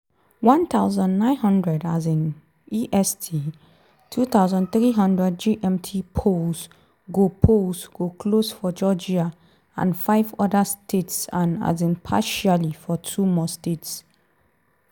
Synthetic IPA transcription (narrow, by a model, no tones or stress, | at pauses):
wãnt̪ʰaʊzə̃nːãɪ̃nɦʌ̃ndɹɛdazĩn | iʔɛstʰi | tʰut̪aʊzə̃nt̪ɹiɦʌ̃ndɹɛd̚d͡ʒiʔɛ̃mtʰipʰos | ɡopʰosɡ̥okʰlosfɔd͡ʒɔd͡ʒia | ã̰nfaɪvɔdəstʰetsãna̰zĩnpʰaʃalifɔtʰumɔstets